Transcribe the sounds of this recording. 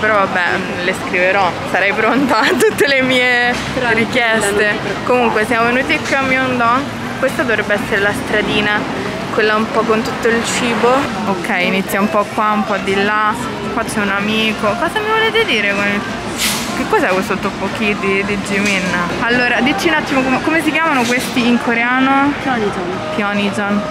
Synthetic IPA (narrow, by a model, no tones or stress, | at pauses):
peɾɔvabːɛ | leskɾiveɾɔsaɾɛjpɾont̪at̪ːut̪ːelemiːe | ɾikjɛst̪ekomuŋkwesjamovenuːt̪ikːjuamːiond̪ɔn | kwest̪ad̪ovɾebːeɛsːeɾelast̪ɾad̪iːna | kwelːaumpɔkːont̪ut̪ːoilt͡ʃiːbo | okʰːɛjinit̪sːjaumpɔkwaumpɔd̪ːilːa | kwat͡ʃːɛunamiːkofat̪ːamivolet̪ed̪iːɾekonil | kekːɔzɛkːwest̪ot̪ːopːokid̪id̪id͡ʒiminːalːoːɾad̪it͡ʃːiunat̪ːimokomekomes̬ik̬jaːmanok̬west̪iiŋkʰoɾeaːno | fjɔnid͡ʒon